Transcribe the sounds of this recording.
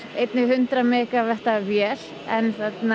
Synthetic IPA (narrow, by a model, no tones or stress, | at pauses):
ejt̪nɪɦʏnt̪ɾamɛːkavɛht̪avjɛːl̥ | ɛnθɛt̪na